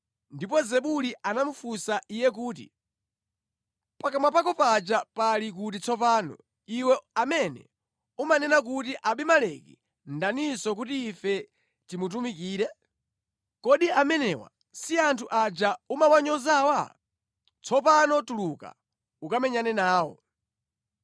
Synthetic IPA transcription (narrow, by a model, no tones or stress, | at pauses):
ndipɔzɛɓuliʔanamufusaʔijɛk̬uːt̬ḭ | pakamapakɔpat͡ʃapalik̬ut̬it͡sʰɔpaːnɔ̰ | iwɛamɛnɛ̰ | umanɛnak̬utiʔaɓimalɛkḭ | ndanisɔk̬utiːfɛ | timut̬umikiːɾɛ | kɔɗiamɛnɛːwa̰ | siantʰuʔat͡ʃaumawaɲɔzawa | t͡sʰɔpanɔtuluka̰ | ukamɛɲanɛnaːwɔ̰